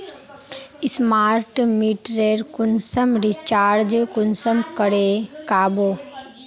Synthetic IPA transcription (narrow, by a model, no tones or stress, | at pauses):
ɪsmaːɾʈmiʈɾeɾkʊnsəmɾit͡ʃaːɾd͡ʒkʊnsəmkəɽekaːboː